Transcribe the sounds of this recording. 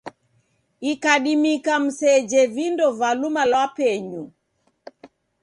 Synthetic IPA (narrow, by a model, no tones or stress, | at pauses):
ikaɗimikam̩sɛd͡ʒɛvindɔvalumalwapɛɲu